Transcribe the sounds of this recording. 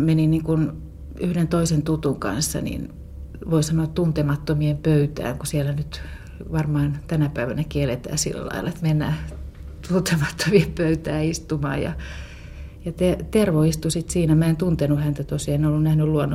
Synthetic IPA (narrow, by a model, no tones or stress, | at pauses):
meniniŋkun | yhdent̪oisent̪ut̪uŋkɑ̰nsːɑ̰nḭn | ʋoisɑnoːt̪t̪unt̪emɑt̪ːomiempøyt̪æ̰ːŋkusielænyt̪ | ʋɑrmɑːnt̪ænæpæiʋænækielet̪æ̰ːsḭlːæ̰lɑ̰ilːˑɑet̪menːæ̰ː | t̪unt̪emɑt̪ʰːomiempøyt̪æːist̪umɑ̰ːjɑ̰ | jɑt̪et̪erʋoist̪usit̪siːnæmæent̪unt̪enuhænt̪æt̪osiɑenolːunnæhnylluonːo